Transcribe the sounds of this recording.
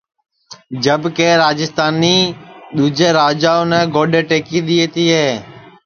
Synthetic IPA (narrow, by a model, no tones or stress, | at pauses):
d͡ʒəbkeːɾaːd͡ʒɪst̪aːniːɗ̪uːd͡ʒeːɾaːd͡ʒaːonɛːɡoːɗeːʈeːkiːɗ̪ieːt̪iːɦeː